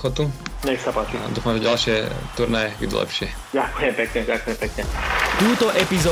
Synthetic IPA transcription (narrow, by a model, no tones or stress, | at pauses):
xɔt̪uɲɛxsapaːt͡ʃiad̪uːfamʒɛɟalʃɪɛt̪uɾnajɛɡḭd̪̰lɛ̰pʃɪɛ | ɟakujɛmpɛkɲɛɟakujɛmpɛkɲɛt̪uːt̪ɔʔɛpizɔː